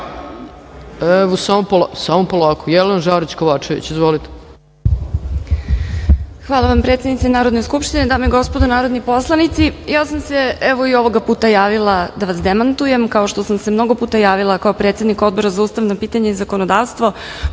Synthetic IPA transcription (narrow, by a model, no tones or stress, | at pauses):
eʋosaːmopolsamopolaːkojɛlenaʒaɾit͡ɕkoʋaːt͡ʃeʋḭt͡ɕizʋolit̪e̥ | xʋaːlˠaʋampɾet̪sʲed̪nit̪senaːɾo̞d̪neskupʃt̪ined̪aːmejɡo̞spo̞d̪onaːɾo̞d̪nipo̞slˠanit̪sijaːsamse̞ɛʋoio̞ʋo̞ɡapuːt̪ajaːʋilˠad̪aʋasd̪emant̪uje̞mkao̞ʃt̪o̞samsemno̞ɡo̞puːt̪ajaːʋilˠakao̞pɾet̪se̞d̪niko̞d̪̚bo̞ɾazauːst̪aʋnapiːt̪aɲeizako̞nod̪aːʋst̪ʋo̞